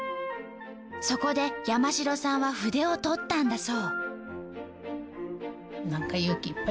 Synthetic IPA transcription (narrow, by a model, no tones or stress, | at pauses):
so̞ko̞d̪e̞jamaɕiɾo̞sãɰ̃βaɸɯ̟d̪e̞o̞t̪o̞t̪ːãnd̪aso̞ː | nãŋkajokiipːa